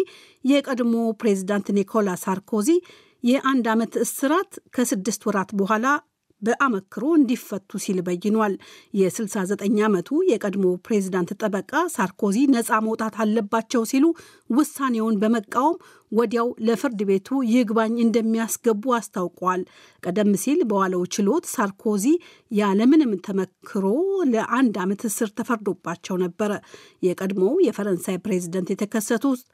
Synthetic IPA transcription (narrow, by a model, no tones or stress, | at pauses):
jɛkʼəd̪mo̞pɾe̞zid̪ant̪nikʰo̞lasaɾkʰo̞zi | jɛʔand̪amət̪ɨsɨɾat̪kʰəsɨd̪ːɨst̪wɔɾat̪bəɦʷala | bəʔaməkːɨɾo̞ɨnd̪ifːət̪ʰʼːusilbəjːɪnwaljɛsɨlsazət̪ʼəɲːamət̪ʰujɛkʼəd̪mo̞pɾe̞zid̪ant̪t̪ʼəbəkʼasaɾkʰo̞zinəsʼaməwt̪ʼat̪ʰalːəbːat͡ʃːɛwsilu | wʊsːane̞wonbəməkʼːawəm | wɔd̪jawləfɨɾd̪ɨβe̞t̪ʰujɪhɡbaɲːɨnd̪əmːijasɡəbːuast̪ʰawkʼwal | kʼəd̪əmːɨsilbəwaləwt͡ʃɪlo̞t̪saɾkʰo̞zi | jaləmɨnɨmt̪ʰəməkʰːɨɾo̞ləʔand̪amət̪ɨsɨɾt̪ʰəfəɾd̪o̞bːat͡ʃːɛwnəbːəɾə | jɛkʼəd̪mowjɛfəɾənsajpɾe̞zid̪ənt̪jɛt̪ʰəkʰəsːət̪ʰut̪